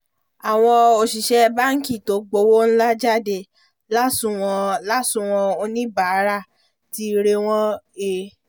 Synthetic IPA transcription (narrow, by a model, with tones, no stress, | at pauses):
a˨w̃ɔ̃˧o˨ʃi˨ʃɛ˧ba˦ŋ̩˦ki˦˨to˨˦ɡ͡bo˨˦wo˦n̩˦la˦d͡ʒa˦˨de˧˨ | la˦sũ˨w̃ɔ̃˧la˦sũ˧˨w̃ɔ̃˧o˧nĩ˦ba˦˨˦ɾa˦˨ | ti˦˧ɾe˧w̃ɔ̃˦e˧˨